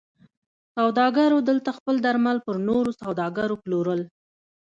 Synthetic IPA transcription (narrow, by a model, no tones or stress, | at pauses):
sawd̪ɑɡaɾod̪əlt̪axpəld̪aɾmalpəɾnoɾosawd̪ɑɡaɾoploɾəl